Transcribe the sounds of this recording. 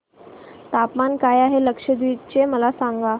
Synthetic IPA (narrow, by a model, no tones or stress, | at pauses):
t̪apmankajaɦeləkʂəd̪ʋiʈt͡ɕeməlasaŋɡa